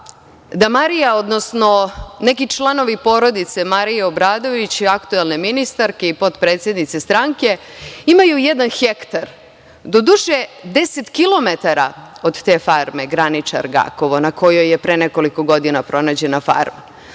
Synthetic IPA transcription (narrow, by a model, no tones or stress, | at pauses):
d̪amaɾijaod̪no̞sno̞nekit͡ʃlˠano̞ʋipo̞ɾo̞d̪it̪semaɾijeobɾaːd̪o̞ʋit͡ɕiakt̪uelˠne̞minist̪aɾkeipo̞t̪pɾet̪sʲje̞d̪nit̪sest̪ɾaŋke̞ | imajujed̪anxekt̪aɾ | d̪o̞d̪uʃed̪e̞set̪kilˠo̞me̞t̪aɾa̰o̞d̪t̪e̞faɾme̞ɡɾanit͡ʂa̰ɾɡa̰koʋonako̞jo̞jːe̞pɾeneko̞liko̞ɡo̞d̪inapɾo̞naːd͡ʑe̞nafa̰ɾma